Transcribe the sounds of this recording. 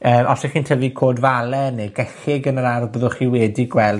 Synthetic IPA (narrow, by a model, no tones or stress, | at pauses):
əːmʔɔsɛχiːntʰəvikʰoːdvalˠɛneɡɛɬɪɡənəɾarbəðʊχiwɛdiɡwɛlˠ